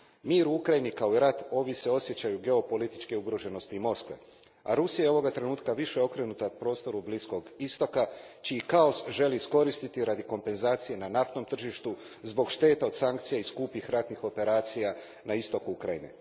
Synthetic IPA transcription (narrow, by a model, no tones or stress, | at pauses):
miːɾuukɾajinikao̞iɾat̪o̞ʋise̞o̞sje̞t͡ɕajuɡe̞o̞po̞lit̪i̥t͡ʃkeuɡɾo̞ʒe̞no̞st̪iːmo̞skʋḛ | a̰ɾusijajo̞ʋo̞ɡat̪ɾe̞nuːt̪kaʋiʃejo̞kɾe̞nut̪apɾo̞ːst̪o̞ɾublisko̞ɡist̪o̞kat͡ʃiːkao̞sʒe̞liːsko̞ɾist̪it̪iɾad̪iko̞mpe̞nzaːt̪sije̞nanaft̪no̞mt̪r̩ʒiʃt̪u | zbo̞ɡʃt̪e̞ːt̪ao̞d̪saŋk̚t̪sijaiskupixɾat̪nixo̞pe̞ɾaːt̪sija | naist̪o̞kuukɾajinḛ